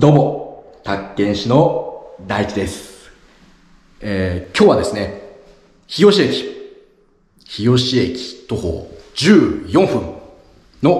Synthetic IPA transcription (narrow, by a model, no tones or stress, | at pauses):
d̪o̞mo | t̪akːẽ̞ɰ̃ɕino̞d̪aikʲid̪e̞sɨ̥ | eːkʲo̞ːβad̪e̞sɨne̞ | çijo̞ɕie̞kʲi̥ | çijo̞ɕiekʲi̥t̪o̞ho̰ːd͡ʑɨːjõ̞ɰ̃ɸɯ̟̃n | no̞